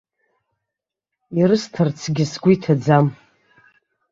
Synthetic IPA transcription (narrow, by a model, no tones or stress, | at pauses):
iɾɨstʰart͡sʰɡʲɪsɡʷitʰad͡zam